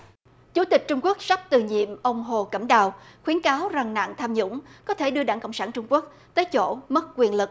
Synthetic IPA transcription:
t͡ɕu˨˦t̪ï˨˩k̚t͡ɕʊ˧ŋ͡mku˦˥ək̚sa˦˥p̚t̪ɨ˨˩ɲḭ˧˨əmʔə˧wŋ͡mɦo˨˩kə˧˩mɗaː˨˩wxwi˨˦nkaː˨˦wza˨˩ŋna̰ː˧˨ŋt̪ʰaː˧mɲʊ̰˧˥ŋ͡mkɔ˨˦t̪ʰe˧˩ɗɨ˧əɗaː˧˩ŋkɔ̰˧˨ŋ͡msaː˧˩nt͡ɕʊ˧ŋ͡mku˦˥ək̚ | t̪əː˨˦jt͡ɕo̰˧˩mə˦˥t̚kwi˨˩ənlɨ˨˩k̚

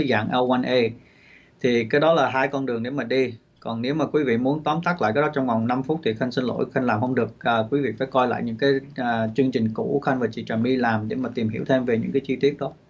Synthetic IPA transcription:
jza̰ː˧˨ŋʔɛ˧wwa˧nʔe˧ | t̪ʰi˨˩kaː˨˦jɗɔ˨˦laː˨˩ɦaː˧jkɔ˧nɗɨ˨˩əŋɗe˧˩maː˨˩ɗi˧ | kɔ˨˩nne˨˦wmaː˨˩kwi˨˦vḭ˧˨mu˨˦ənt̪ɔː˨˦mt̪a˦˥k̚la̰ː˧˨kaː˨˦ɔ˨˦˥t͡ɕɔ˧wŋ͡mva˨˩wŋ͡mna˧mfu˦˥t̚t̪ʰi˨˩xə˧ŋ̟sï˧n̟lo̰˧˥jxə˧n̟laː˨˩mhə˧wŋ͡mɗɨ˨˩ək̚ʔəː˨˩kwi˨˦vḭ˧˨fa̰ː˧˩jkɔ˧jla̰ː˧˨jɲɨ̰˧˥ŋkaː˨˦jːt͡ɕɨ˧əŋt͡ɕï˨˩ŋ̟kṵ˧˩˥xə˧n̟vaː˨˩t͡ɕḭ˧˨t͡ɕə˨˩mɗi˧laː˨˩mɗe˧˩maː˨˩t̪i˨˩mhi˧˩əwt̪ʰe˧mve˨˩ɲɨ̰˧˥ŋkaː˨˦jt͡ɕi˧t̪wi˦˥ət̚ɗɔ˨˦

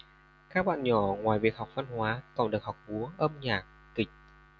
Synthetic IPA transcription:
kaː˦˥k̚ɓa̰ː˧˨nɲɔ˧˩ŋwaː˨˩jvi˨˩ək̚hɔ˨˩wk͡p̚va˧nhwaː˨˦t̪ɔ˨˩nɗɨ˨˩ək̚hɔ˨˩wk͡p̚vu˨˦əʔə˧mɲaː˨˩k̪̚ːï˨˩ŋ̟̚

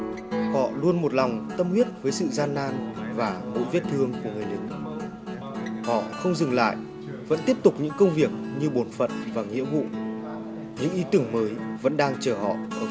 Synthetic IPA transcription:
hɔ̰˧˨lu˧ənmo˨˩t̚la˨˩wŋ͡mt̪ə˧mhwi˦˥t̚vəː˨˦jsɨ̰˧˨zaː˧nːaː˧nvaː˨˩mo̰˧˥jvi˦˥t̚t̪ʰɨ˧əŋku˧˩əŋɨ˨˩əjlɨ˨˩˦k̚ | hɔ̰˧˨xə˧wŋ͡mzɨ˨˩ŋla̰ː˧˨j | və̰˧˥nt̪i˦˥əp̚t̪ʊ˨˩k͡p̚ɲɨ̰˧˥ŋkə˧wŋ͡mvi˨˩ək̚ɲɨ˧ɓo˨˩nfə̰˧˨nvaː˨˩ŋḭ˧˥əvṵ˧˨ | ɲɨ̰˧˥ŋʔi˨˦t̪ɨ˧˩əŋməː˨˦jvə̰˧˥nɗaː˧ŋt͡ɕəː˧˩ɦɔ̰˧˨ʔʔəː˧˩

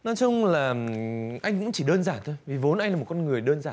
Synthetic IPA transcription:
nɔ˨˦jt͡ɕʊ˧ŋ͡mlaː˨˩ʔa˧jŋ̟kʊ̰˧˥ŋ͡mt͡ɕi˧˩ɗəː˧nzaː˧˩t̪ʰo˧jvi˨˩vo˨˦nʔa˧jŋlaː˨˩o˨˩kɔ˧nŋɨ˨˩əjɗəː˧nzaː˧˩˨

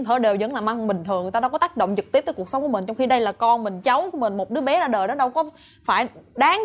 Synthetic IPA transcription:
t̪ʰəː˧˨˩ɗe˨˩wzə̰˧˥nlaː˨˩ma˧ŋɓï˨˩ŋ̟t̪ʰɨ˨˩əŋ˨˩t̪aː˧aː˧˦wkɔ˨˦t̪aː˦˥k̚ɗo̰˧˨wŋ͡mzɨ˨˩k̚t̪i˦˥t̪̚əː˦ku˨˩əksə˨˦ŋ͡mku˧˩m̟˨˩t͡ɕwŋ͡mxi˧ɗə˧jlaː˨˩kɔ˧nmï˨˩ŋ̟t͡ɕa˨˦wku˧˩˦mï˨˩ŋ̟mo˨˩t̚ɗɨ˨˦əɓɛ˨˦zaː˧ɗəː˨˩jɗɔ˨˦ɗə˧wkɔ˨˦ | faː˧˩jɗaː˨˦ŋ

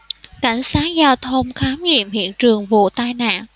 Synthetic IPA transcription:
ka˧˩jŋ̟saː˨˦˥k̚zaː˧wt̪ʰə˧wŋ͡mxaː˨˦mŋḭ˧˨əmhḭ˧˨ənt͡ɕɨ˨˩əŋvṵ˧˨t̪aː˧jna̰ː˧˨nʔ

